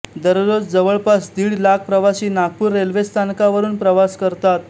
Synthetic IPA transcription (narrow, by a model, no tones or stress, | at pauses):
d̪əɾɾod͡zd͡zəʋəɭpasd̪iːɽlak̚pɾəʋaɕiːnaɡ̚puːɾːelʋest̪ʰankaʋəɾuːnpɾəʋaskəɾt̪at̪̚